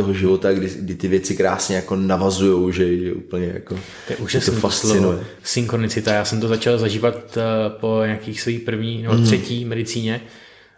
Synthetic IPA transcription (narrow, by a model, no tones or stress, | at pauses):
t̪oɦoʒɪvot̪aɡdɪɡdɪt̪ɪvjɛt͡sɪkɾaːsɲɛjako̞navazujowʒɛʒɛʔṵːpl̩ɲɛja̰ko | t̪ojɛʔuːʒast̪onifasloɪnujɛ | sɪŋxɾonɪt͡sɪt̪ajaːsɛmt̪ozat͡ʃalzaʒiːvat̪po̞ɲaakiːxsvoiːpr̩vɲiːnɛbot̪rɛciːmɛdɪt͡siːɲɛ